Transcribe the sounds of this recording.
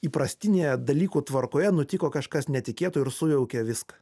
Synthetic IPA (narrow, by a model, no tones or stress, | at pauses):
iːpɾɐsʲt̪ʲɪnʲejɛd̪ɐlʲiːkuːt̪ʋɐɾkoːjɛnʊt̪ʲɪkoːkɐʃkɐsnʲɛt̪ʲɪkʲeːt̪uːɪɾsʊjɛʊkʲɛʋʲɪskɐ̥